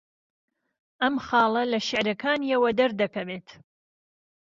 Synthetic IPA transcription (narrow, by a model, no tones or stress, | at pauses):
ʔɐmχɑːlˠɐlɐʃɪʕɾɐkʰaːniɐwɐd̪ɐɾd̪ɐkɐbeːt̪ʰ